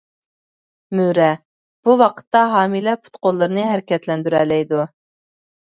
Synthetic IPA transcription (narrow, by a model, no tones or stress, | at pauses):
myɾɛ | b̥uwɑqʰə̥t̪ːɑɦɑːmilɛpʰu̥t̪qolˠːɨɾɨnɨɦæɾɪkʲɛt̪lɛnd̪yɾɛlɛjd̪u